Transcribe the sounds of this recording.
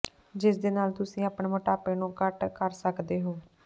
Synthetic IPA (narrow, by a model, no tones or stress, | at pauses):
d͡ʒɪsd̪eːnaːlt̪ʊsĩːaːpɳeːməʈaːpeːnũːkəʈkəɾsəkd̪eːɦoː